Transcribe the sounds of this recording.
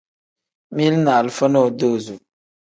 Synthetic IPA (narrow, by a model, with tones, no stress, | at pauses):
mi˦lna˨lfə˦nɔ˦˨do˦˨zu˨